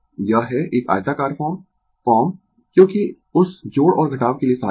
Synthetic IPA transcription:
jaːɦɛʔeːka̰ːt̪aːkaːɾfɔːm | kɔːm | kjõːki | ʊsd͡ʒoːɽɔːɾɡʱɐʈaːʋkeliesaː

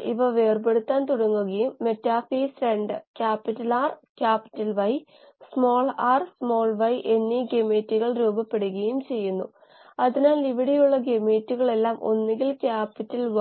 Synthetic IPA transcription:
ḭʋɐʋe̞ːrbe̞ɽut̪ːaːnt̪uɽɐŋːuɣɐjumːe̞tːaːfiːsɾeɳɖɨkʲaːpːitːɐlaːrkʲaːpi̥tːɐlʋɐj | smo̞ːɭaːrsmo̞ːɭʋɐjʔe̞nːiɡemeːtːuɣɐɭɾuːbɐpːe̞ɽuɣɐjumt͡ɕe̞jːunːu | ɐðinaːliʋɐɽejuɭːɐɡemeːtːuɣɐɭe̞lːaːmʔo̞̰nːiŋɡilkʲaːpːitːɐlʋ

